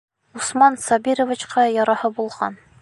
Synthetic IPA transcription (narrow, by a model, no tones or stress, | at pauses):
usmɑnsɒbiɾŏvʲit͡ɕqɑjɒɾɑhɤbulˠʁɑ̰n